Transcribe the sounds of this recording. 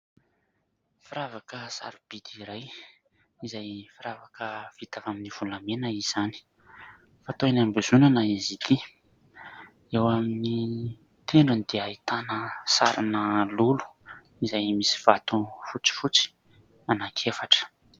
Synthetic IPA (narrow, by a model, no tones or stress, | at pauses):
fiɾavakəsa̰ɾub̥id̪iɾaj | izajfiɾavakəv̥it̪avaminiv̥ulamenəiz̥ani̥ | fat̪oenambuzunanaizit̪ʰi | ewamini | t̪ʰeɳɖ͡ʐunid̪̥eait̪anəsa̰ɾinəlulu̥ | izajmisi̥v̥at̪ufut͡si̥fut͡si̥ | anakʰefaʈ͡ʂə̥